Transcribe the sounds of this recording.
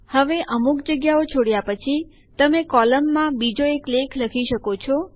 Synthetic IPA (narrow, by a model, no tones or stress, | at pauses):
həʋeʔəmuk̚d͡ʒəɡjaot͡ʃʰoɽjapət͡ʃʰi | t̪əmekɔləmːãbid͡ʒoeklekʰləkʰiʃəkot͡ʃʰɔ